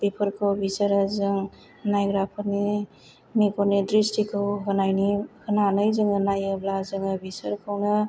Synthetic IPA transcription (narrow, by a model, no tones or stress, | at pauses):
b̥ipʰɯɾkʰɯwbisəɾazɯŋ | najɡɾapʰɯni | mikɔnidɾistikʰɯwɦɯnajnihɯnanɯjzɯŋɯnajɯblazɯŋɯbisəɾkʰɯwnɯ